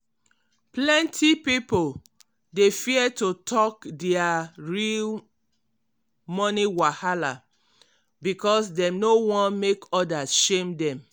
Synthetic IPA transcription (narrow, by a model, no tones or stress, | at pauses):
plɛ̃ntʰipipol | defiɛtotʰɔkdɛaɹil | mɔniwahala | bikɔsdɛ̃mnowɔ̃nmekɔdasʃẽmdɛ̃m